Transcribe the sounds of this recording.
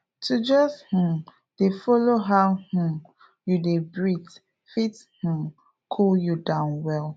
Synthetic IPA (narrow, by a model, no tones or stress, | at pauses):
tʰud͡ʒɔsh̩ | d̥efɔloɦaʊh̩ | judebɹit | fith̩ | kʰuljudãʊnwɛl